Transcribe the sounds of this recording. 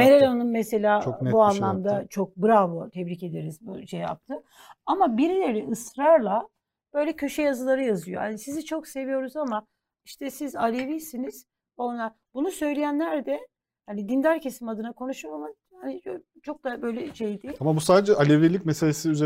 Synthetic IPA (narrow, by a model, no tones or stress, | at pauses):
meɾelʲonɯnmɛse̞lʲaːt͡ʃoknbuanlˠamd̪at͡ʃʰo̞k̚bɯɾavot̪ʰɛbɾice̞d̪eɾizbuʃeja̰p̚t̪ʰɯ | amabiɾilʲeɾlʲɛʔɯsɾaɾlˠa | b̥ø̞jlʲɛcʰø̞ʃɛjazɯlˠaɾɯjazɯjohanisizit͡ʃʰo̞kse̞vijo̞ɾuzama | iʃt̪ʰɛsizalʲevisiniz̥ | onla | bunusø̞jlʲejænlʲæɾd̪ɛ | hanid̪ind̪æɾcʰe̞simad̪ɯnakʰo̞nuʃuama | hani | t͡ʃʰo̞k̚d̪abø̞jlʲɛʃejd̪iamabusaːd̪ed͡ʒɛalʲevilʲicmeselʲesiyze